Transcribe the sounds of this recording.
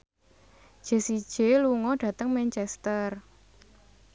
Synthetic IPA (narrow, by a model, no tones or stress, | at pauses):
ʒ̥e̤sid̥ʒ̥eluŋɔɖ̥ä̤t̪əŋmɛnt͡ʃɛst̪ər